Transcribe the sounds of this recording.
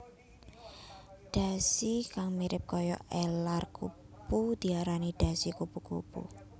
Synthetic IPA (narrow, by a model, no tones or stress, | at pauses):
ɖ̥a̤sikaŋmiɾɪp̚kɔjɔ̰ɛlarku | pud̪̥i̤aɾaniɖ̪̥a̤sikupukṵpṵ